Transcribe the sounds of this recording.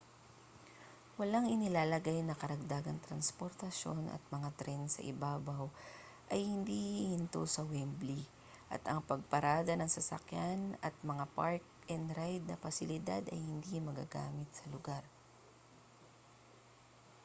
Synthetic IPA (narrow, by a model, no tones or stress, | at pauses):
wɐlaŋɪnɪlaːlɐɡajnɐkɐɾɐɡ̚d̪aːɡɐŋt̪ɾɐnspoɾt̪ɐʃo̞nʔɐ̰t̪̚mɐŋat̪ɾɛnsɐ̰ʔɪbaːbaw | ʔɐjhɪnd̪ihɪnt̪o̰sɐwɛmbli | ʔɐ̰t̪ʔɐŋpɐɡ̚pɐɾaːd̪ɐnɐŋsɐsɐ̰kjanɐt̪̚mɐŋapaɹk̚ | ɛnd̪ɾajd̪̚nɐfɐsɪlɪd̪ad̪ɐjhɪnd̪imɐɡa̰ːɡa̰ːmɪt̪̚sɐlʊɡaɾ